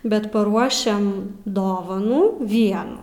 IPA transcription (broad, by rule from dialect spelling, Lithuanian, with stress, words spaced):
bʲɛt pɐˈruɔʃʲɛm ˈdoːʋɐnuː ˈʋʲiɛnuː